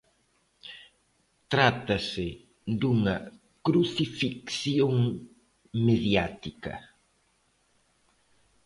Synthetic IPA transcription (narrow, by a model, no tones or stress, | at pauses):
t̪ɾat̪ase | d̪uŋɐ | kɾuθifikθjoŋ | meðjat̪ikɐ̰